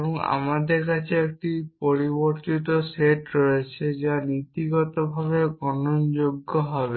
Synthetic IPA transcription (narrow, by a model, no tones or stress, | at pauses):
bɔŋa̰mad̪eɾkat͡ʃʰeek̚ʈipoɾiboɾt̪it̪oseʈɾoet͡ʃʰed͡ʒanit̪iɡɔt̪ɔbʱaβeɡɔnond͡ʒoɡːoɦɔbe